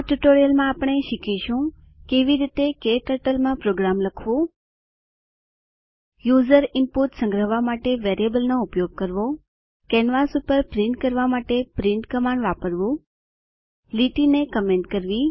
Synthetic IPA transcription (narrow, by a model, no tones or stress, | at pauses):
ʈuʈoɾijəlmãapɳ̃eʃikʰiʃũ | keʋiɾit̪ekeʈəʈəlmãpɾoɡɾamləkʰʋõ | juzəɾɪmpuʈsə̃ŋɡɾəɦʋamaʈeʋeɾijəbəlnoʊpjoɡ̚kəɾʋo | kɛnʋasupəɾpɾɪɳʈ̚kəɾʋamaʈepɾɪ̃ɳʈkəmãɳɖʋapəɾʋũ | liʈinekəmẽɳʈkəɾʋi